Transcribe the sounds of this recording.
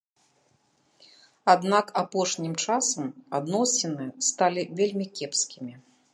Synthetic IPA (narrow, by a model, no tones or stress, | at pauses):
ad̪nakapɔʂnʲimt͡ʂasɐmad̪nɔsʲinɨɛst̪alʲivʲelʲmʲikʲɛpskʲimʲi